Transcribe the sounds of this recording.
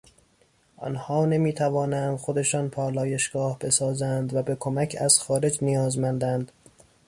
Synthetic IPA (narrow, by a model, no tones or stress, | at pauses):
ʔɒ̰nhɒːne̞miːt̪ʰævɒːnænd̪xo̞d̪e̞ʃɒːnpʰɒːlɒːje̞ʃɡ̥ɒːhbe̞sɒːzænd̪væbekʰomæcʰæz̥xɒːɾe̞d͡ʒnijɒːzmænd̪ænd̪